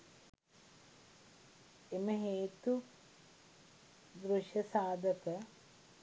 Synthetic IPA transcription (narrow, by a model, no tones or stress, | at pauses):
eməɦeːt̪u | d̪ɾuʃjɐsaːd̪ʱəkə